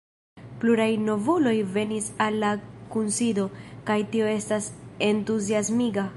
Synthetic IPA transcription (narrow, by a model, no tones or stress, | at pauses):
pluɾajno̞vulo̞jve̞nisalːakunsido̞kajtio̞e̞stase̞ntuziasmiɡa